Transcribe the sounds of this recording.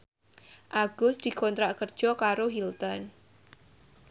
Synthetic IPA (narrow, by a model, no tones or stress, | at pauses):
ʔaɡ̥ʊsd̪̥i̤kɔnt̪ɾaʔkərd̥ʒ̥ɔkaɾoɦilt̪ɔn